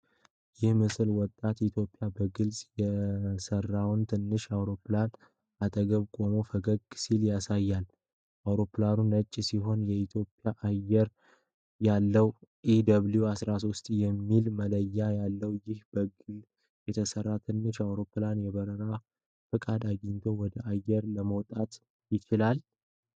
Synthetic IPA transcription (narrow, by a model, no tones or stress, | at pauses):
jɪhmɨsɨlwɔt̪ʼːat̪it̪ʰjo̞pʼːɪjabəɡɨlsʼjɛsərːawnt̪ʰɨnːɨʃawɾo̞plan | at̪ʼəɡəβkʼo̞mofəɡəɡsiljasajːal | ʔawɾo̞pːlanunət͡ʃʼːsiɦo̞njɛit̪ʰjo̞pʼjaʔajːɛɾ | jalːəwʔid̪əβljuasɾaso̞st̪ʼjɛmːilmələjːajalːəwjɪhb̥əɡɨl | jɛt̪ʰəsərːat̪ʰɨnːɨʃawɾo̞planjɛβəɾəɾa | fɨkʼad̪aɡɪnt̪ʰo̞wɔd̪əʔajːɛɾləməwt̪ʼat̪ | jɪt͡ʃɪlal